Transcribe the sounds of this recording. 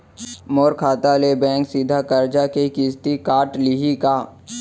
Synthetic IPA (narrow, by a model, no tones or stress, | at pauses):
moːɾkʰaːt̪alebɛ̃ːŋksid̪ʱakəɾd͡ʒakekiːst̪ikaːʈlɪɦikaː